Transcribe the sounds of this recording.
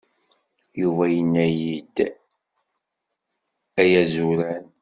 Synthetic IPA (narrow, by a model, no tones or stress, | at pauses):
juvæjənːæjid̪ | æjæzuɾæn